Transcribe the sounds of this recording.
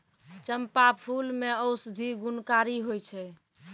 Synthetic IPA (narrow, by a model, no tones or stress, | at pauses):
t͡ʃəmpapʰulmeəwsd̪ʱiɡunkaɾiɦojt͡ʃʰɛ